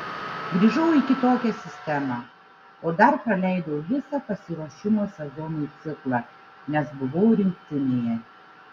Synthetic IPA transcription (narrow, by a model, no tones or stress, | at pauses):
ɡɾʲiːʒɐʊikʲɪt̪oːkʲɛsʲɪsʲt̪ʲɛmɑ | oːd̪ɐɾpɾɐlʲɛɪd̪oʊʋʲɪsɐpɐsʲɪɾoɔʃʲɪmoːsʲɛzɔnut̪sʲɪklˠɑ | nʲɛsbʊʋɐʊɾʲɪŋʲkt̪ʲɪnʲejɛ